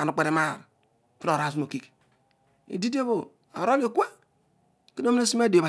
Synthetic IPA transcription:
a˨nu˨k͡pe˨ɾe˨˦ma˦˨ɾ | fi˦no˨ɾa˦˨su˦mo˨ki˦k | ḭ˨di˦di˦e˦βo˨ | a̰˨ɾo˦li˦˨kʷe˦ | ki˦n˦o˦mi˦ne˦si˦m˦e˦de˨ba˨

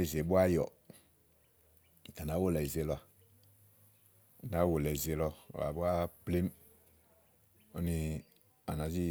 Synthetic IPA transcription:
e˦˨ze˨bu˦a˦jɔ̰˨ | ta˨na˨˦wo˦lɛ˨i˨ze˨lɔ˧a˨ | na˨˦wo˨lɛ˨ze˧˦lɔ̰˧˨a̰˨bu˦a˦ple˦m | o˦ni˧ | a̰˨na˨˦zi˦

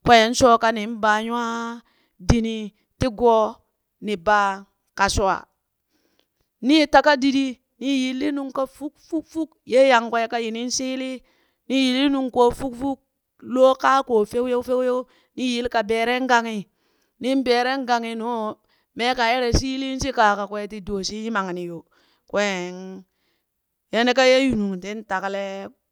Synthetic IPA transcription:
kʷe˨je˨˦n˦so˦ka˦ni˨˦n˦ba˨ɲu˦a˦ | di˨ni˨ | ti˦ɡo˦ | ni˨ba˨ | ka˨so˨a̰˨ | ni˦ta˨ka˦di˨di˦ | ni˦ji˨lːi˦nu˨ŋka˦fu˦kfu˦kfu˦kje˦ja˨ŋke˦e˦ka˦ji˨ni˦n˦si˦li˦ | ni˦ji˨li˦nu˨ŋko˨fu˦kfu˦k̚ | lo˦ka˦ko˨fe˦u˦je˦u˦fe˦wjo˦ | ni˦ji˦lka˨be˨ɾe˦ŋ˦ɡa˨ŋi˨ | ni˦n˦be˨ɾe˦ŋɡa˨ŋi˨no˦ | me˦ka˨je˦ɾe˨si˦li˦n˦si˦ka˨ka˨kwe˦ti˨do˨si˦ji˦ma˨ŋ˨ni˨jo˨ | kwe˦˨n | je˦ne˦ka˦je˦ju˨nu˨ŋ˨ti˦n˦ta˨ka˦le˦

